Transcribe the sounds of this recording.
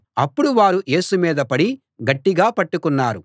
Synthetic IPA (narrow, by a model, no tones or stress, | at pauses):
ɐpːuɽuʋaːɾuʔe̞ːsumiːd̪ɐpɐɽi | ɡɐʈːiɡaːpɐʈːukunːaːɾu